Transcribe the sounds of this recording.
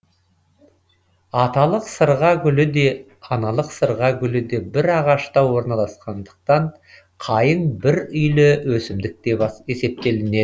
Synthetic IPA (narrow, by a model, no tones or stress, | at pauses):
ɑt̪ɑlˠəqsəɾʁɑɡʲʏlɪd̪e̞ | ɑnɑlˠəqsəɾʁɑɡʲʏlɪd̪e̞bɪɾɑʁɑʃt̪ɑwo̞ɾnɑlˠɑsqɑnd̪əq̚t̪ɑɴ | qʰɑjəɴbɪɾʏjlɪwɵsɪmd̪ɪk̚t̪e̞bɑe̞se̞p̚t̪e̞lɪne